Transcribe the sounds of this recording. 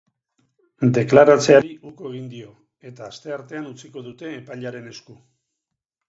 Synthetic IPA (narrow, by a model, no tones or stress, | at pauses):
d̪e̞klaɾat͡se̞aɾiukoeɣ̞ind̪io̞ | e̞t̪aːst̪e̞aɾt̪e̞anut͡siko̞ðut̪e̞ːpaʎaɾe̞ne̞sku